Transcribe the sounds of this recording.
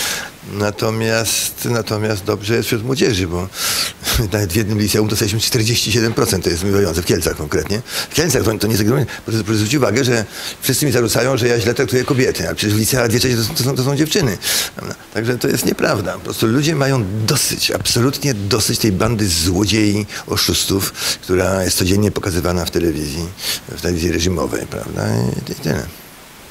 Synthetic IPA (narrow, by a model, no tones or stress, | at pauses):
nat̪ɔmʲjast̪nat̪ɔmʲjast̪̚d̪ɔbʐɛjɛst̪fɕɾut̪mwɔd͡ʑɛʐɘbɔ | navɛt̪vʲjɛd̪nɘmlʲit̪sɛumt̪ɔst̪aiɕʃmɘst͡ʂt̪ɛɾd͡ʑeɕt͡ɕiɕɛd̪ɛmpɾɔt̪sɛnt̪t̪ɔjɛst̪mivajɔnt̪ɛfkʲɛlt̪saxkɔŋkɾɛt̪ɲɛfkʲɛlt̪saxt̪ɔt̪ɔɲɛzaɡɾaɛppɔzvɾut͡ɕuvaɡɛʐɛfʂst̪sɘmʲizaʐut̪sajɔ̃ʐɛjaʑlɛt̪ɾak̚t̪ujɛkɔbʲjɛt̪ɪalɛpʂɛt͡ɕɛʂvlʲit̪sɛad̪vʲjɛt͡ʂɛ̃ɕɛt̪ɔ̃t̪ɔs̬ɔ̃t̪ɔs̬ɔ̃w̃d͡ʑɛft͡ʂɘnɘpɾa̰vd̪a̰t̪aɡʐɛt̪ɔjɛ̰st̪ɲɛpɾavd̪apɔpɾɔst̪ulud͡ʑɛmajɔ̃w̃d̪ɔsɪ̰t͡ɕa̰psɔlut̪ɲɛd̪ɔsɪt͡ɕt̪ɛjband̪ɘzwɔd͡ʑejiɔʂust̪ufkt̪uɾajɛst̪sɔd͡ʑɛɲːɛpɔkazɘvanaft̪ɛlɛvʲizʲjift̪ɛlɛvʲizjiɾɛʐimɔ̰vɛ̰jpɾa̰vd̪a̰ḭit̪ɪ̰lɛ̰